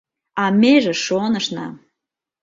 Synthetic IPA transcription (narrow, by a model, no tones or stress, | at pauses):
ɑmeʒĕʃonəʃnɑ̰